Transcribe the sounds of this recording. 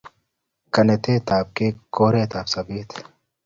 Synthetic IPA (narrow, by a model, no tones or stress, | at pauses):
kɐnet̪eːt̪aːb̚kekoːɾeːt̪aːpsɐbiːt̪ʰ